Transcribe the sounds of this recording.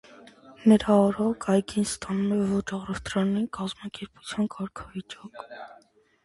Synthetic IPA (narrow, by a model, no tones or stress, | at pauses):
nəɾɑɔɾɔkʰɑjkʰinst̪ɑnumɛvɔt͡ʃɑʁrɔst̪ɾɑnikɑzmɑkɛɾpu̥t͡sʰjɑnkɑɾkʰɑvit͡ʃɑk